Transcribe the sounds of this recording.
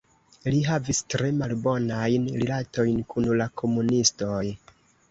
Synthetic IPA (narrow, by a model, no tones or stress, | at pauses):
liɦavistɾe̞malbo̞najnlilatʰo̞jnkunlakʰo̞munistoj